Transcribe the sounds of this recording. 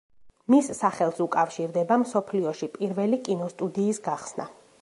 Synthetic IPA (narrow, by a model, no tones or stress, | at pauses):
misːaχɛlˠsukʼafʃiɾd̪ɛbamsɔpʰliɔʃipʼiɾvɛlikʼinɔst̪ʼud̪iːsɡaχsna̰